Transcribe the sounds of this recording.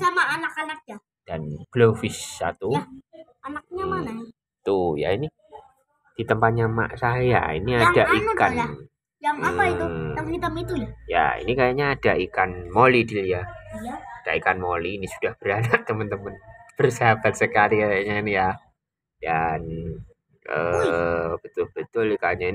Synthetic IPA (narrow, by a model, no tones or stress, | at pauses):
samaːnakanak̚ja | d̥anb̥lɔŋfɪsːa̰t̪u | anak̚ɲaana | it̪uja̰ini | d̥it̪əmpat̪̚ɲama̰ʔsaja̰ḭniadaʔikkan | jaŋaaəmət̪əmit̪ulaja̰ḭnikajaɲaːd̥aʔikanmolidilija | ad̥aikanmoliːnisud̥ahb̥əɾanaʔt̪əmənt̪əmənb̥ərsiɦabat̪̚səkaliajaɲainija | jan | ə | b̥ət̪ʊlb̥ət̪ʊlkajaɲaini